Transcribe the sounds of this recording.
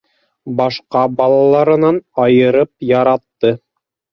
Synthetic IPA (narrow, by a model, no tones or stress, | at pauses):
bɑʃqɑbɑlˠɑlˠɑɾɤ̆nɑnɑjɤ̆ɾɤp̚jɑɾɑt̪ːɤ